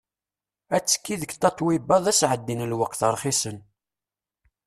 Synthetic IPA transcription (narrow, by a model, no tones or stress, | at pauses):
æt͡sːə̥kːiðəkt̪ːɑt̪ˤːwibɑðˤæsʕəd̪ːinəlwəqθəɾˤχisən